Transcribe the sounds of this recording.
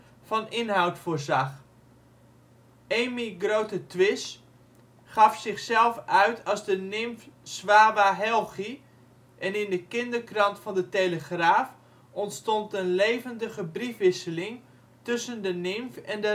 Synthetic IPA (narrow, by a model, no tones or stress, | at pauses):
fɑnɪnɦawtfoːrzɑχ | ejmiɡrowtətʋɪs | χɑfsɪχsɛlˠfœɥtʰɑlˠzdənɪmfsʋaːʋaɦɛlˠχi | ʔɛnɪndəkɪndərkrɑntfɑndətejləχraːf | ɔntstɔntənlejvəndəχəbrifʋɪsəlɪŋ | tɵsəndənɪmfɛndə